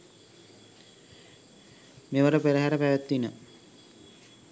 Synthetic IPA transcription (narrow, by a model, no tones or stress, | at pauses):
meʋəɾəpeɾəɦæɾəpæʋæt̪ːinə